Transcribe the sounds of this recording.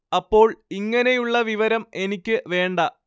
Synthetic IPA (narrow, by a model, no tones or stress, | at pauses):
ɐpːo̞ːɭiŋːɐne̞juɭːɐʋiʋɐɾɐme̞nikʲːɨʋe̞ːɳɖɐ